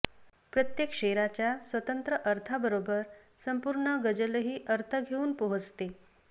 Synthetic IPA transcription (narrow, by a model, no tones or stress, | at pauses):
pɾət̪jekʂeɾat͡ɕjasʋət̪ənt̪ɾəʔəɾt̪ʰabəɾobəɾ | səmpuɾɳəɡəd͡ʑələɦiːʔəɾt̪ʰəɡʱeuːnpəɦət͡st̪e